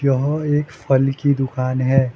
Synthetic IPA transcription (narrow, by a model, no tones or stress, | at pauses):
jɐɦeːkfʰɐlkid̪ʊkaːnɦɛː